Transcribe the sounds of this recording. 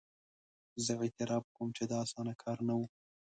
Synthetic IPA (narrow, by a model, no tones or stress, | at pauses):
zəet̪ɪɾɑːb̚komt͡ʃed̪ɑːsɑːnakʰɑːɾnawu